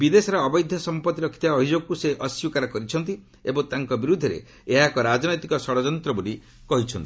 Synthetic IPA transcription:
bid̪esɔɾɔːbɔjd̪ʱjɔsɔmpɔt̪ːiɾɔkʰit̪aːbʱid͡ʒoɡɔkuseʔɔsikaɾɔkɔɾit͡ʃʰɔnt̪i | ebɔŋt̪aŋkɔbiɾud̪ʱːɔɾḛ | eɦakɔɾad͡ʒɔnɔjt̪ikɔsɔɽɔd͡ʒɔnt̪ɾɔbuli | kɔɦit͡ʃʰɔnt̪i̥

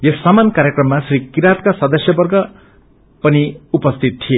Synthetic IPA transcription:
jesːamankaɾjekrʌmːasrikiɾat̪̚kasʌd̪ʌsjʌbʌrɡʌ | pʌniupʌst̪ʰit̪̚t̪ʰie

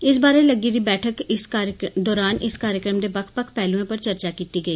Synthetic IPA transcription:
ɪs̬baːɾeləɡiːɾiːbɛːʈʰəkɪsɾd̪ɔːɾaːnɪskaːɾjəkɾəmd̪eːbəkʰpəkʰpɛːluẽːpəɾt͡ʃəɾt͡ʃaːkiːt̪iːɡəiː

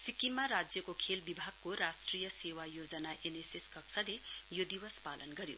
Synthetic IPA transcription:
sikimaɾad͡zjʌkokʰelbibʱaɡ̚koɾasʈrijʌsewajod͡zʌnaʔeneseskʌksʰalejod̪iwʌspalʌnɡʌɾjo̰

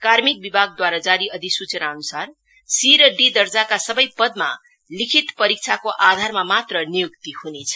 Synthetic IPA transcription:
karmik̚bibʱaɡ̚d̪waɾad͡zaɾiʌd̪isut͡sʌnaʌnusar | siɾʌɖid̪ʌrd͡zakasʌbʌjpʌd̪̚ma̰ | likʰit̪pʌɾik̚t͡sʰakoʔad̪ʱarmamat̪rʌnijukt̪ihunet͡sʰʌ̥

